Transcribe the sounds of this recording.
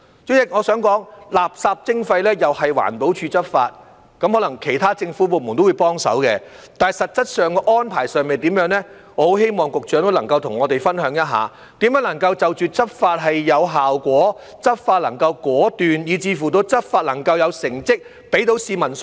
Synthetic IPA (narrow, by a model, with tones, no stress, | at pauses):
t͡sʊ˨˥jɪ˨˥k̚ŋɔː˨˧sœː˨˥ŋkɔː˨˥ŋlaː˨p̚saː˧p̚t͡sɪ˥ŋfɐ˧jlɛː˥jɐ˨whɐ˨jwa̰ː˨˩npo˨˥wt͡ʃʰyː˨˧t͡sɐ˥p̚fa̰ː˧t̚ | kɐ˨˥mhɔː˨˥lɐ˨˩ŋkʰe˨˩jt̪ʰaː˥t͡sɪ˧ŋfu˨˥po˨k̚mu˨˩nt̪o˥wu˨˧jpɔː˥ŋsɐ̰˨˥wkɛ˧ | t̪aː˨nɐ˨jsɐ˨t̚t͡sɐ˥t̚sœː˨ŋkɔː˧ʔɔː˥npʰaː˨˩jsœː˨ŋme˨jt̪iː˨˥mjœː˨˥ŋlɛ˥ŋɔ˧˥ho˨˧˥wɦe˥jmɔː˨˩ŋkʊ˨k̚t͡ʃœː˨˥ŋt̪o˥wlɐ˨˩ŋkɐ˧wt̪ʰʊ˨˩ŋɔː˨˧t̪e˨jfɐ˥nɦœː˨˥ŋjɐ˥t̚ɦa̰ː˨˧ | t̪iː˨˥mjœː˨˥nlɐ˨˩ŋkɐ˧wt͡sɐ˨wt͡ʃyː˨t͡sɐ˥p̚faː˧t̚ɦɐ˨jːɐ˨˧wɦaː˨wkʷɔː˨˥ | t͡sɐ˥p̚faː˧t̚lɐ˨˩ŋkɐ˧wkɔː˨˥t̪yː˨njiː˨˧t͡siː˧fuː˨˩t̪̬o˧wt͡sɐ˥p̚faː˧t̚lɐ˨˩ŋkɐ˧wjɐ˨˧wsɪ˨˩ŋt͡sɪ˥k̚ | pe˨˥jt̪̬o˨˥wsiː˧mɐ˨˩ns